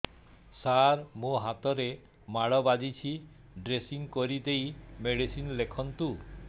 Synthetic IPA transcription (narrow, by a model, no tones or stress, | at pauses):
saɾmũɦat̪ɔɾe | maɭɔbad͡ʒit͡ʃʰi | ɖɾesiŋkoɾid̪ejmeɽisinlekʰɔnt̪u